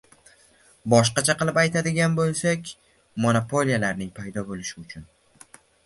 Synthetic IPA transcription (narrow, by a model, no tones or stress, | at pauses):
bɒʃ̬qɑt͡ʃʰaqɨlˠɪpajt̪ʰad̪ɪɡʲanbolˠsakʲ | monopʰo̞lijalaɾnɪŋpʰajd̪ɒbolɪʃɪʊt͡ʃʰʊn